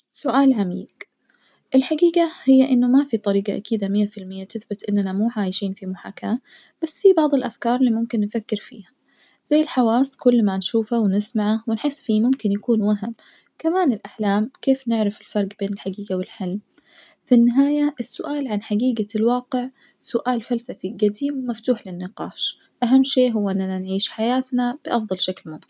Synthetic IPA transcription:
sʊʔaːlʕamḭːɡ | ʔɪlħaɡiːɡahɪjːaʔɪnːʊmafit̪ˤɑɾiːɡaʔakiːd̪amɪjːafɪlmɪjːat̪ɪθbɪt̪ʔɪnːanamuːʕaːjɪʃiːnfimʊħa̰ːkama | b̥asːfibɑʕðˤɪlʔafkɑːɾˤliːmʊmkɪnːfakːɪɾfḭːhḁ | z̥ajːɪlħawaːsˤkʊlːmanʃuːfawɪnɪsmaʕawɪnħɪsːfimʊmkɪnjakuːnwaɦɪm | kamaːnɪlʔaħlaːmkeːfnɪʕɾɪfɪlfɑɾˤɡbeːnɪlħaɡiːɡawɪlħɪlm | finːɪɦaːjaʔɪsːʊʔaːlʕanħaɡiːɡalwɑːqɪʕ | sʊʔaːlfalsafiɡad̪iːmwɪmaft̪uːħlɪnːɪqɑ̰ːʃ | ʔaɦamːʃeːʔɦʊwːaʔɪnːalanʕiːʃħajaːt̪nab̥ɪʔɑfd̪ˤɑlʃaklmʊmkɪn

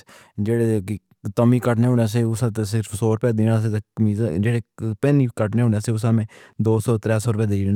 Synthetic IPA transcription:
d͡ʒeːɽeːkː | t̪əmiːkəʈneːɦʊːneːs̬eːʊsaːt̪esɪɾfʰsoːɾpɛːd̪iːnaːs̬eːt̪eːmiːzd͡ʒeːɽeːpɛːniːkəʈneːɦʊːnaːseːʊsaːmẽː | d̪oːsɔːt̪ɾɛːsɔːɾpɛːd̪eːd͡ʒ

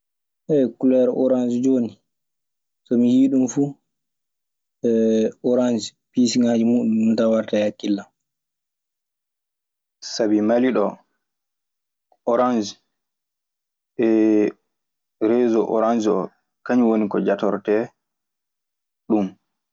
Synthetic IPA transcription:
ʔɛkulɛɾɔɾand͡ʒid͡ʒoːni | sɔmijiːɗumfu | ɛɔɾand͡ʒipisiŋaːd͡ʒimuɗumtawaɾtajakːilːam | sabimaliɗɔ | ɔɾand͡ʒi | ɛ | ɾɛzɔʔɔ̰ɾand͡ʒiɔ | kaɲwonikɔd͡ʒatɔɾtɛ | ɗum

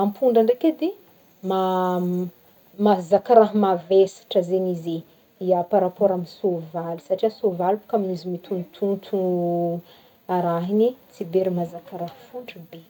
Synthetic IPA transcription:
ampʰuɳɖ͡ʐaɳrekʲed̪e | ma | mazakaɾaɦmavesḁʈ͡ʂəzenize | iapaɾapoɾaminsovalisaʈ͡ʂiasovalpu̥kaminizimit̪ʰunt̪ʰunt̪ʰu | aɾaɦinit͡sibeɾimazakaɾahfuɳɖ͡ʐəbe

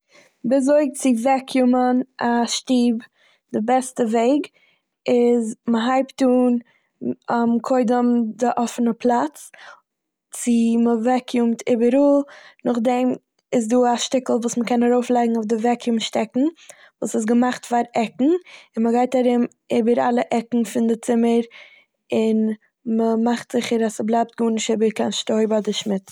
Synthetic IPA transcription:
bɪz̬oɪkt͡sɪvɛkʰjumənʔaʃtiːb | d̥ɪbɛstəveɪɡ | ɪzməɦaɪptuːn | amkʰoɪdəmdɪʔɔfənəpʰlˠat͡s | t͡sɪməvɛkʰjumtʰɪbəɾuːnʊχdɛm | ɪs̬duːaʃtɪkl̩ˠvuːsməkɛnaɾoʊflˠaɪɡŋ̩ofdɪvɛkjumʃtɛkŋ̩ | vuːsɪs̬ɡəmaχtfaːɾɛkŋ̩ɪnməɡaɪtaɾɪm | ɪːbəɾa̰lˠəʔɛkŋ̩fɪndɪt͡sɪməɾ | ɪn | məmaχtz̥ɪχəɾasəblˠaɪp̚t̚ɡuːnɪʃɪbəɾkanʃtoɪbadɪʃmɪt

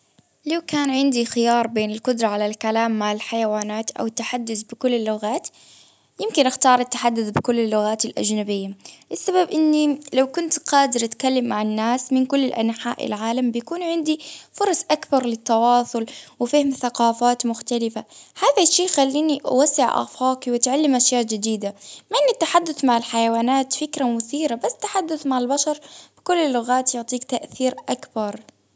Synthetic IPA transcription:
liwkaːnʕɪnd̪ixɪjɑːɾˤbeːnɪlqʊd̪ɾˤɑʕalalkalaːmːaʕɪlħajawaːnaːt̪ʔa̰wɪt̪ːaħad̪ːʊθbɪkʊlːɪlːʊɣaːt̪ | jɪmkɪnʔaxt̪ɑːɾˤɪt̪ːaħad̪ːʊθbɪkʊlːɪlːʊɣaːt̪ɪlʔa̰d͡ʒnabɪjːaʔɪsːababʔɪnːilawkʊnt̪qɑːd̪ɪɾʔat̪kalːamːaʕɪnːaːsmɪnkʊlːɪlʔa̰nħa̰ːʔɪ̰lʕaːlambɪjakuːnʕɪnd̪ifʊɾˤɑsˤʔakbɑɾˤlɪt̪ːɑwɑːsˤʊlwɪfiːhɪmθaqɑːfaːt̪mʊxt̪alɪfahaːðaʃːiːʔxalːiːniʔwasːɪʕʔa̰faːkiwɪt̪ʕalːɪmʔaʃjaːʔd͡ʒɪd̪iːd̪amaʔɪnːit̪ːaħad̪ːʊθmaʕɪlħajawaːnaːt̪fɪkɾamʊθiːɾabasːt̪ːaħad̪ːʊθmaʕɪlbaʃɑɾˤb̥ɪkʊlːlːʊɣaːt̪jʊʕt̪ˤiːkt̪aʔθiːɾʔakbɑɾˤ

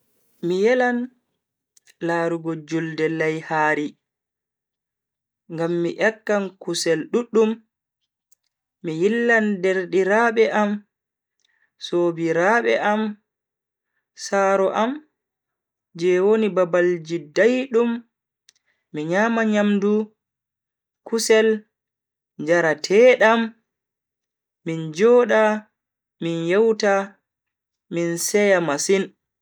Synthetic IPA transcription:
mijɛlan | laːɾuɡɔd͡ʒuldɛlajhaːɾi | ŋɡamːiʔɛkːankusɛlɗuɗːum | ijilːandɛɾɗiɾaɓɛʔam | soːbiɾaɓɛ̰ʔam | saːɾɔʔam | d͡ʒɛwonibabald͡ʒidajɗum | iɲamaɲamdu | kusɛl | ɲd͡ʒaɾatʰɛːɗam | ind͡ʒɔːɗa | minjɛwta | minsɛjamasin

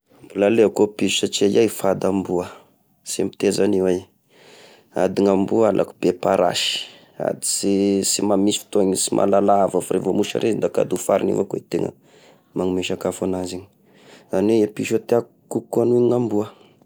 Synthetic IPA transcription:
bilaleakopiʃusat͡ʃiajajfad̪ambuə | simpi̥t̪ezaniwe | a̰d̪iŋambualʔa̰ku̥bepaɾa̰ʃi̥ | a̰d̪i̥sisimamisi̥fi̥t̪oɲsimʔa̰lalavafaɾevomuʃa̰ɾʔezind̪aka̰d̪ufaɾinḭvakeit̪eŋə̰ | maŋimeʃakafanaziɲi | zaniweepiʃat̪eak | kukːanuiŋambuə

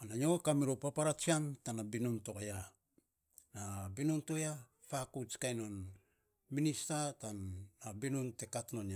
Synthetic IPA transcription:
anaɲokamiɾopapaɾat͡ʃiaŋtanabinuntokoja | nabinunto̞ja | fakut͡ʃkajno̞n | ministatanabinunte̞katnona

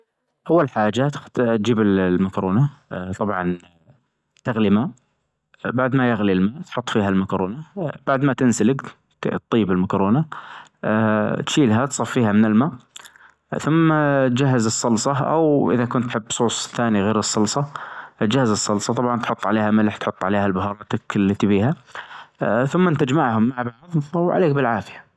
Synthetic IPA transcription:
ʔawːallħaːd͡ʒat̪t̪̚d͡ʒiːbɪllmakɾoːnat̪ˤɑbʕɑn | t̪ɪɣlimaːʔ | baʕd̪majɪɣlilmaːʔt̪ħʊt̪ˤːfiːɦalmakɾoːnab̥aʕd̪mat̪ɪnsalɪɡ | t̪ˤːiːbɪlmakɾoːna | t̪ʃiːlɦat̪sˤɑfːiːhamɪnɪlmaːʔ | θʊmːat̪d͡ʒaɦːɪzɨsˤːɑlsˤɑʔa̰wʔɪ̰ðakʊnt̪ːħɪbːsˤuːsˤθaːniɣeːɾɨsˤːɑlsˤɑʔt̪d͡ʒahːazɨsˤːɑlsˤɑt̪ˤɑbʕɑnt̪ħʊt̪ˤːʕa̰leːhamɪlħt̪ħʊt̪ˤːʕa̰leːhalbʊɦɑɾˤɑːt̪aklːat̪ibiːha | θʊmːant̪ad͡ʒmaʕhʊmːaʕbɑʕðˤawʕa̰leːkbɪlʕaːfɪjḁ

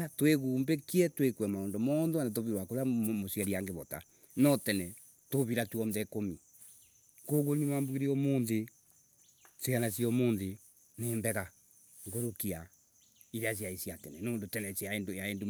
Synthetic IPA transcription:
atweɣuːmbekiɛtwekwɛmaoːndomɔnðwanat̬oβiɾwakoɾamosɛɾiaŋɡeβɔta̰ | nɔtɛnɛ | toβiɾatwɔnðɛkomi | koɣonimaːmbuɣiɾiɔmoːnðe | sianasiɔmoːnðe | nembɛɣa | ŋɡoɾokia | iɾeas̬iaisjatɛnɛnoːndotɛnɛsjaendojaendu

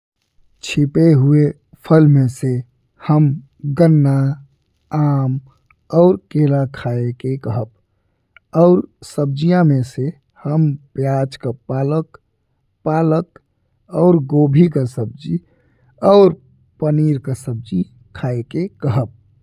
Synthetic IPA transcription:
t͡ʃʰipeɦue | pʰəlmese | həm | ɡənːa | aːm | ɔʊɾkeːlakʰaekekəɦəb̚ | ɔʊɾsəb̚d͡ʒijãmese | həmpjat͡ʃkapalək | palək | ɔːɾɡobʱikasəb̚d͡ʒi | ɔːɾ | pəniːɾkasəb̚d͡ʒi | kʰaːekekəɦəp̚

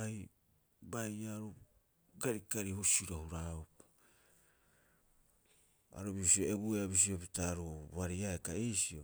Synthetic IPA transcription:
aj | bajaɾu | ɡaɾikaɾihusiɾohuɾaup | a̰ɾubisio̞e̞bueabis̬io̞pitaɾuβaɾiaekaesio̞

